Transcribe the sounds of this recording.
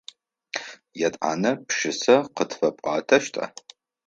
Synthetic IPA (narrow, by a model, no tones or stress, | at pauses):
jɛtʼa̰ːnɐpʃɪsɐqətʰfɐpʼɑ̰ːtʰɐʃtʼa̰